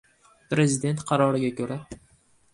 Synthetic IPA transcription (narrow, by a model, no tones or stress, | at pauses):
pɾe̞zɪd̪e̞nt̪qʰɑɾɒɾɪɡʲakʰʲɵɾa